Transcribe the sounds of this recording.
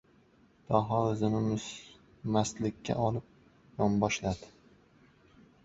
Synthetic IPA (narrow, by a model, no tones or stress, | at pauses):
d̪̥ɒɦɒzɪnɪmɪz̥ | maslɪkʲʰːa̰ʔɒlɪp̚ | jɒmbɒʃlad̪ɪ